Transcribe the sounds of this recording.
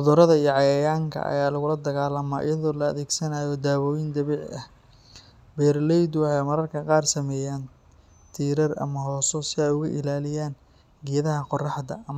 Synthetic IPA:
ʊðʊɾɐðɐijɔʕɑjɐjaːŋkʰɐ̰ʔɐ̰jaːlɐɣʊlɐd̪ɐɣaːlɐma̰ːʔɪ̰jɐðɔːlɐɐðɛːɡsɐnaːjɔd̪aːβɔːjɪnd̪ɐβiːʕɐh | bɛːrlɛjd̪wɑħɑjmɐɾɐrkʰɐqɑːrsɐmɛːjaːn | t̪ʰiːɾɐrɐ̰mɐɦɔːsɔsɪɛjʊɣʊʔɪ̰laːlɪjaːn | ɡɛjɐðɐɦɐqɔrɑħd̪ɐ̰ʔɐm

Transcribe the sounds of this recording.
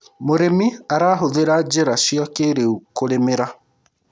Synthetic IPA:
moɾemiaɾaːɦoðeɾad͡ʑeɾaʃiakeɾeukoɾemeɾa

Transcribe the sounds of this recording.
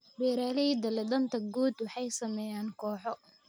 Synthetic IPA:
bɛːɾaːlɛid̪ɐlɛd̪ɐnt̪ʰɐɡuːd̪wɑħɑjsɐmɛjaːnkʰɔːħɔ

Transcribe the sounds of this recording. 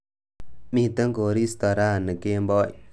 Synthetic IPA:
mit̪əŋkoɾist̪ɔɾanəkembɔj

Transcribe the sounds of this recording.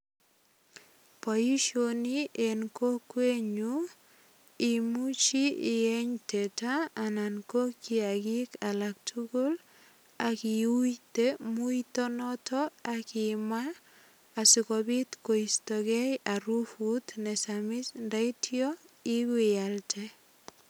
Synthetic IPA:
pɔjiʃoniʔenkokweɲu | imut͡ʃiɪɛɲtetaːnankokiaɡikalak̚tʰuɡol | akiujtemuitɔnɔtɔakɪmaː | sikɔbitkoistɔɡɛjaɾufut̪nɛsamɪsndaitiɔiɡwejaltʰɛ

